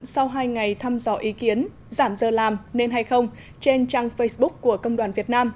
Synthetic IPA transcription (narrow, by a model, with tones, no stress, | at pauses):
sa˧wɦaː˧jŋa˨˩jt̪ʰaː˧mzɔ̰˧˦ʔi˨˦ki˨˦ən | zaː˧˩mzəː˨˩laː˨˩mne˧nɦa˧jxə˧wŋ͡m | t͡ɕe˧nt͡ɕaː˧ŋfə˧jsɓʊ˦˥k̚ku˧˩əkə˧wŋ͡mɗwaː˨˩nvi˨˩ət̚naː˧m